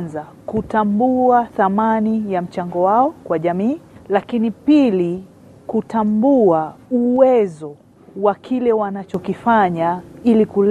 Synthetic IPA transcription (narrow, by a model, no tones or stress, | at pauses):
nza | kutambuaθamanijam̩t͡ʃaŋɡɔwaɔkwaʄamiːlakinipili | kutambuauwɛzɔ | wakʰilɛwanat͡ʃɔkifaɲailikul